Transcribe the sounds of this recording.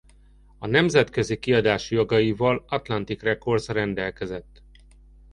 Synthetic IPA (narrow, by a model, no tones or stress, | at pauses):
ɒnɛmzɛt̪køzikiɒd̪aːʃjo̞ɡɒjivɒlɒt̪lɒnt̪ikrɛko̞rzrɛnd̪ɛlkɛzɛt̪ː